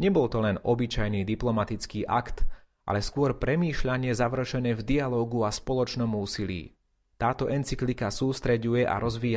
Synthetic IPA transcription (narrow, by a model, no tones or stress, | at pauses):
ɲɛbɔlt̪ɔlɛnɔbit͡ʃajnid̪iplɔmat̪it͡skiːʔa̰kt̪ | ʔa̰lɛskʊɔɾpɾɛmiːʃʎaɲɪɛzaʋr̩ʃɛnɛːvd̪ialɔːɡuaspɔlɔt͡ʃnɔmuːsilḭː | t̪aːt̪ɔʔɛnt͡siklikasuːst̪ɾɛɟujɛʔa̰ɾɔzʋiːa